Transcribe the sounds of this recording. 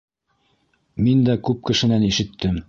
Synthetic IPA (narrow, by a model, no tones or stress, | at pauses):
mind̪ækʉp̚kɘ̆ʃɘ̆næniʃɘ̆t̪ʰːɘm